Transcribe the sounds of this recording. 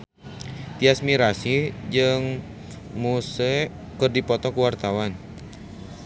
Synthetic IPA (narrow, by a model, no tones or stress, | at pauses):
t̪iasmiɾasid͡ʒɨŋ | musə | kɨrdipɔt̪ɔkuwart̪awan